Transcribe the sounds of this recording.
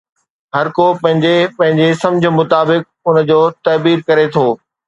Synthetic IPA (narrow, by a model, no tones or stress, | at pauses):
ɦɐɾkopɐ̃ɦɪ̃ɲd͡ʑepɐ̃ɦɪ̃ɲd͡ʑesɐ̃md͡ʑʱə̆mʊt̪aːbɪk̚ʊnd͡ʑoːt̪ɐːbiːɾkɐɾet̪ʰoː